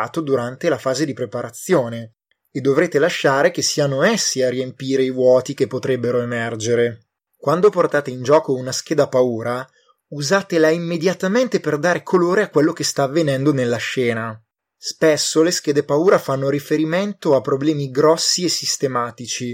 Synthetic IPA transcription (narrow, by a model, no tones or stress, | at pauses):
t̪od̪uɾant̪elafaːzed̪ipɾepaɾat̪sːjoːne | ed̪ːovɾeːt̪elaʃːaːɾek̟esːianoesːiarːiempiːɾeivwɔːt̪ik̟epːot̪ɾɛbːeɾoemɛrd͡ʒeɾe | kwand̪oport̪aːt̪eind͡ʒɔːkounask̟eːd̪apauːɾa | uzaːt̪elaimːed̪jat̪ament̪eperd̪aːɾekʰoloːɾeakːwelːok̟est̪aːvːenɛnd̪onelːaʃɛːna | spesːolesk̟ɛːd̪epauːɾafanːoɾifeɾiment̪oapːɾoblɛːmiɡɾɔsːiesːist̪emaːt̪it͡ʃi